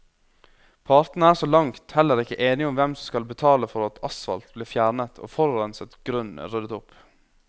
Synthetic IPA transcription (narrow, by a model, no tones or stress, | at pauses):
pʰɑɾt̪n̩əæːʂoːlɑŋt̪hɛlːəɾɪkːəʔeːnɪʊmʋɛmsɔmskɑlbət̪ʰɑːləfɔɾɑt̪ʰɑsfɑ̰lt̪̚bliːfjæːɾɳət̪ʰo̰ːfɔɾɾɛnsət̪ɡ̥ɾʉnə̰ɾʉd̪ət̪ʊp